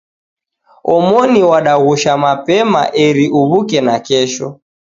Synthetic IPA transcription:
ɔmɔniwaɗaɣuʃamapɛma̰ʔɛɾiʔuβukɛnakɛʃɔ

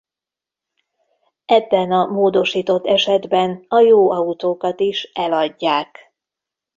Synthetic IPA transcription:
ɛbːɛnɒmoːd̪o̞ʃiːt̪o̞t̪ːɛʃɛd̪bɛnɒjoːɒut̪oːkɒt̪iʃɛlɒɟːaːk

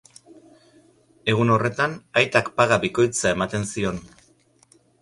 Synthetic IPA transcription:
e̞ɣ̞uno̞re̞t̪anajt̪akpaɣabiko̞jt͡sae̞mat̪e̞nsio̞n

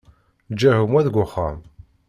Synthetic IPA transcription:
d͡ʒːæhʊmwæðɡʷʊχːa̰m

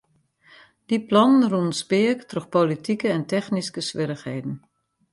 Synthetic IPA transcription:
d̥iplɔnənrunspɪəktrøxpolitikəɛntɛxniskəsʋɪɾəxheːdn̩

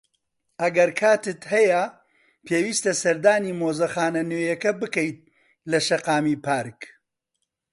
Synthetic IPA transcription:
ɐɡɐɾkʰaːt̪ɨt̪hɛjɐ | pʰeːwiːst̪ɐsɐɾd̪aːniːmoːzɐxaːnɐnøːjɐkɐbɨkɐjt̪̚ | lɐʃɐqaːmiːpaːɾk

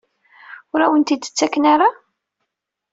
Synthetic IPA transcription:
ʊɾæwənt̪id̪ə̥t͡sːækːnaɾa

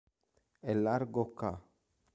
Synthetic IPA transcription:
elːaɾɡokːa

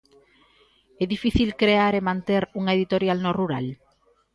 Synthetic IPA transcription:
ɛðifiθilkɾeaɾemãnt̪eɾuŋaeðit̪oɾjalnoruɾa̰l

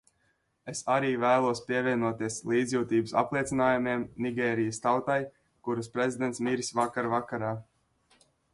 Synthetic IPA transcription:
esaɾiːvæːlˠuɔspiɛvʲiɛnuɔt̪iɛslˠiːd̪zʲjuːt̪iːbusa̰plˠiɛt̪sinaːjumiɛmniɡʲɛːɾijəst̪awt̪aj | kuɾaspɾezʲid̪ɛnt̪smiɾisvakaɾvakaɾaː

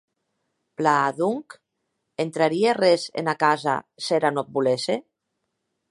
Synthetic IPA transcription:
plaːðuŋk | ent̪ɾaɾierezḛnakaza̰seɾanop̚bulese

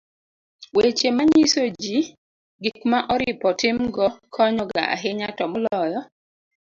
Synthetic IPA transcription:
wet͡ʃemaɲisod͡ʒi | ɡikmaʔɔɾɪpɔtɪmɡɔkʰɔɲɔɡa̰a̰ɦeɲatɔmɔlɔjɔ

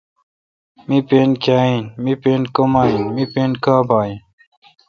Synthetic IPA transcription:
mipeːnkaːĩnmipeːnkomaːinmipeːnkaːbaːĩ

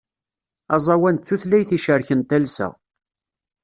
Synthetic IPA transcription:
ɑzˤɑwænt͡sːuθlæjθiʃəɾçənt̪ælsæ̰

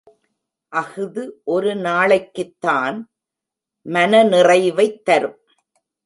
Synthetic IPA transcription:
ʔɐɣɯðɯʔɔɾɯnaːɭɐkːɯt̪ːaːn | mɐnɐnɪrɐɪʋɐɪt̪ːɐɾɯm

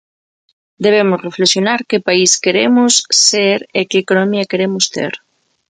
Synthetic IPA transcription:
d̪eβ̞emʊzreflesjonaɾkepaiskeɾemʊsːeɾekeːkonomiakeɾemʊst̪ḛɾ

